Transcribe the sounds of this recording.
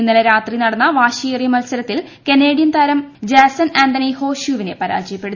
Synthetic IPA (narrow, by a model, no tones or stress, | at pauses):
inːilɐɾaːt̪rinɐɽɐnːɐʋaːɕijirijɐmɐlsɐɾɐt̪ːilkenːeːɽijɐnt̪ɐːɾɐmd͡ʑeːsɐnaːnd̪ɐnɐjho̞ːɕjuːʋine̞pɐɾa̰ːd͡ʑɐjɐpːe̞ɽu